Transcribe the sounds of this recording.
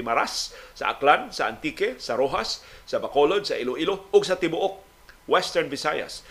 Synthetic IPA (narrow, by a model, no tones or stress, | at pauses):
ɪmaɾasːa̰ʔa̰klansaʔa̰nt̪ikɛsaɾoɦasːɐbakolod̪̚saʔiloʔiloʊɡsat̪ɪbʊʔʊk̚ | wɛst̪ɛɹnvɪsaja̰s